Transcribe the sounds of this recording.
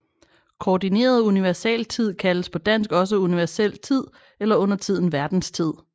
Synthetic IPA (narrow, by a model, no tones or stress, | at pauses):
kʰɒːdine̝̰ːɐð̞ˠuniʋæɐsɛ̰lt͡sʰið̞̰ˠkʰæləspʰɒ̽d̥æn̰sɡ̥ɒ̽s̬əuniʋæɐsel̰t͡sʰið̰ˠ | elɐɔ̽n̰ɐt͡sʰið̰ˠn̩ʋæɐd̥n̩st͡sʰið̞̰ˠ